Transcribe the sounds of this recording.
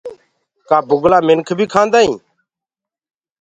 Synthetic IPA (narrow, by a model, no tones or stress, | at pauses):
kaːbʊɡlaːmɪnkʰbʱiːkʰãːnd̪aːĩː